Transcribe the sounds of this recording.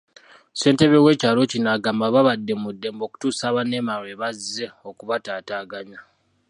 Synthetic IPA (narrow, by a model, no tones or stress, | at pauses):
se̞ːnte̞βe̞we̞ːcaːlo̞cinaːɡaːmbaβaβadːe̞mudːe̞ːmbo̞ːku̥tuːsaːβane̞maɾeːβaze̞o̞kuβataːtaːɡaɲa